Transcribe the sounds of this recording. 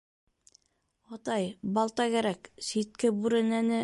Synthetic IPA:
ɑt̪ɑjbɑlˠt̪ɑkæɾæksit̪̚kɘbʉɾɘ̆nænɘ

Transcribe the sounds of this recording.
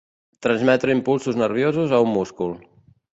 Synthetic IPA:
t̪ɾənzmɛt̪ɾəimpulˠsuznərβ̞jozuzəumːuskulˠ

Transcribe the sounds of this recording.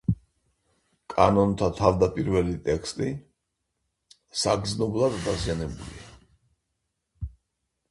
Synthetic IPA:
kʼa̰nɔnt̪ʰat̪ʰavd̪apʼiɾvɛlit̪ʼɛkʰst̪ʼi | saɡd̪znɔblˠad̪d̪azianɛbulḭa

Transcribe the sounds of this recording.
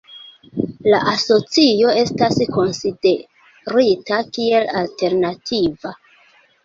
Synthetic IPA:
laʔaso̞t͡sijo̞e̞stasko̞nside | ɾitakie̞lalte̞ɾnatʰiva

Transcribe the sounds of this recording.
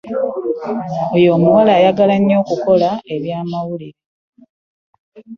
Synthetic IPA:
ojo̞ːmuwalaːjaɡalaɲːo̞ːkuko̞lae̞βjaːmawuliɾe

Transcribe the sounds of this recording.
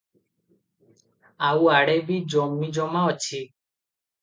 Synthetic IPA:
auaɽebid͡ʒɔmid͡ʒɔmaɔt͡ʃʰi

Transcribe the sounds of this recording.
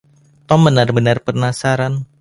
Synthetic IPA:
t̪ɔmbənarbənarpərnasaɾan

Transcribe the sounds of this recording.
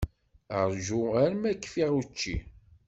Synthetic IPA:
əɾʒuæɾmækːfiʁut͡ʃːḭ

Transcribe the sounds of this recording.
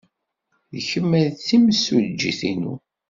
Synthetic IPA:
ðəçəmːæðθiməsuld͡ʒːḭθinṵ

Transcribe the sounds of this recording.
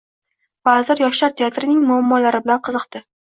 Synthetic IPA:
bazɪɾjɒʃlaɾt̪ʰeat̪ɾɪnɪŋmʊamːɒlaɾɪbɪlanqʰɨzɨqt̪ɪ

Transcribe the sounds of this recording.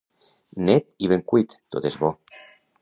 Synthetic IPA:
net̪iβeŋkwit̪ːot̪ezβɔ

